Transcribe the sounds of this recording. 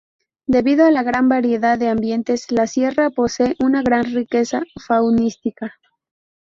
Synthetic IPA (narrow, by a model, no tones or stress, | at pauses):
d̪e̞βiðoalaɣɾambaɾje̞ðaðːe̞ambje̞nt̪e̞slasje̞rapo̞se̞ːʔunaɣɾanrike̞safawnist̪ika